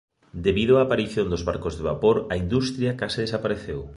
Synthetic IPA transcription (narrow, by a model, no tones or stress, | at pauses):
d̪eβið̞oaːpaɾiθjond̪ozβa̰ɾkozðeβ̞apoɾɐind̪ust̪ɾjakasɪð̞esapaɾeθew